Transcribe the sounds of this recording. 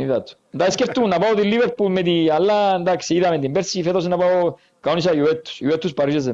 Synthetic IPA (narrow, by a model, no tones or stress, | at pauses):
niðat̪u̥nd̪aeskeɾt̪ːunapaot̪ilːiʋeɾpulmet̪ialːand̪aksiðamet̪imbeɾsifet̪as̬inapao | kaonisajuet̪ːu̥sjuet̪ːuspaɾises̬e